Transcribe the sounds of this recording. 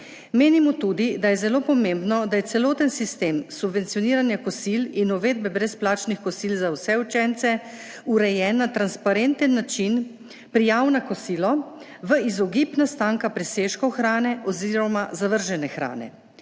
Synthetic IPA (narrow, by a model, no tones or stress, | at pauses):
meːnimɔt̪uːd̪id̪ajɛzɛloːpɔmembnɔd̪ajɛt̪sɛlɔːt̪ənsist̪eːmsubʋɛnt̪sijɔniːɾanjakɔsilinɔʋeːd̪̚bɛbɾɛsplaːt͡ʃnixkɔsilzawsɛut͡ʃɛnt̪sɛ | uɾɛjɛnːat̪ɾanspaɾent̪ənːat͡ʃin | pɾijaːwnakɔsiːlɔ | ʋəizɔɡipnast̪aːŋkapɾɛseːʃkɔxɾaːnɛʔɔziɾɔmazaʋəɾʒɛnɛxɾa̰ːnɛ̰